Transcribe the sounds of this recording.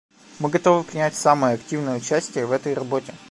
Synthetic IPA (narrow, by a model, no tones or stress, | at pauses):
mɨɡɐt̪o̞vɨpɾʲɪnʲætʲsaməjəɐktʲivnəjəʊt͡ɕæsʲtʲɪjəvɛt̪əjrɐbo̞tʲɪ